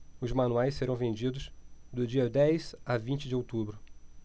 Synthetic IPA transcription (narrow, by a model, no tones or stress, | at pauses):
ʊzmɐ̃nuajssːeɾɐ̃w̃vẽnd͡ʒid̪ʊsd̪ʊd͡ʒiɐd̪ɛjz̥avĩnt͡ʃɪd͡ʒɪowt̪ubɾʊ